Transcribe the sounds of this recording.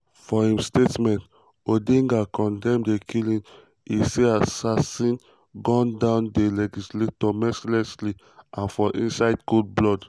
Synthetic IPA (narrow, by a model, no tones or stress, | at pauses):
fɔhĩmstetmɛ̃nt | odĩŋɡakɔ̃ndɛ̃mdekʰilĩn | iseasasĩn | ɡɔ̃ndãʊndelɛd͡ʒisletɔmɛsilɛsli | ʔãnfɔʔĩnsaɪdɡud̚blɔd